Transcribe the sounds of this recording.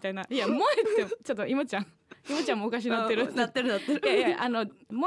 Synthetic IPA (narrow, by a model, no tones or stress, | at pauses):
t̪ainaijamoet̪ːet͡ɕot̪ːoimot͡ɕãŋ | imot͡ɕãmoːkaɕ̬inat̪ːeɾɯat̪ːeɾɯnat̪ːeɾjajaʔanomo